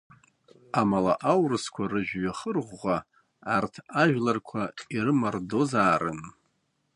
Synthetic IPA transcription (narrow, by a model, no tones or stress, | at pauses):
amalaʔawrɨskʷʰarɨʒᶣɥaχərʁʷːa | artʰaʒᶣlarkʷʰairɨmardo̞zaːrɨ̰n